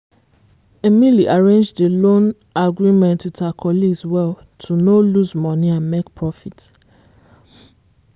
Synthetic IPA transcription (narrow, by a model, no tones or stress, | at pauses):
emiliʔaɹẽnd͡ʒdelõn | aɡɹimɛ̃ntwitakʰɔliɡswɛl | tʰunoluzmɔ̃niãnmek̚pʰɹɔfit